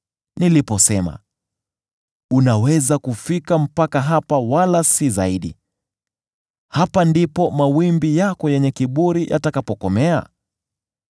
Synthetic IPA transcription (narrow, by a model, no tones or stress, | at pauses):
nilipɔsɛma̰ | unawɛzakufikam̩pakaɦapawalasizaiɗḭ | hapandipɔmawimbijakɔjɛɲɛkiɓuɾijʔa̰takapɔkɔmɛa̰